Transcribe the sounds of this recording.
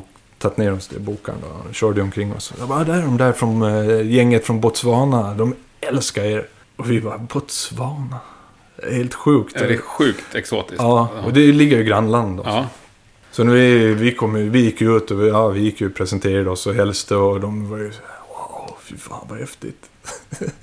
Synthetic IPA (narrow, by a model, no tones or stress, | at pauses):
t̪ʰat̪ːneːɾɔsd̪ɛ̰buːka̰ɳd̪ɔ̰ɕœːɖəɔmkʰɾɪŋːɔ̰sɔjɑbɑd̪æɖɔmd̪æɾfɾɔnjɛŋːət̪fɾɔnbɔt̪svɑːnad̪ɔm | ɛlskaeːɾ | ɔvɪbɑbɔt̪svɑːna | d̪ɛheːlt̪ɧʉ̟ːkt̪ɧʉːt̪ɛksoːt̪ɪsɑːɔd̪ɛlɪɡːəɾjɪɡɾanːland̪ɔ̰ | sɔnæɾvɪvɪkʰɔmːəjɵvɪjɪkːjʉ̟ːt̪ɔjɑːvɪjɪkːjʉpʰɾɛsənt̪ʰeːɾaɖəɔsɔɦɛlst̪ʰəɔd̪ɔmvɑɾʏswafɪɾfa̰ːnvahɛft̪ɪ̰t̪